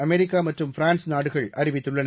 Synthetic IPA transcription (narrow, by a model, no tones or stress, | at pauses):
ɐmɛɾɪkːaːmɐʈrɯmfɪɾaːnsnaːɽɯɣɐɭɐɾɪʋɪt̪ːɯɭːɐnɐ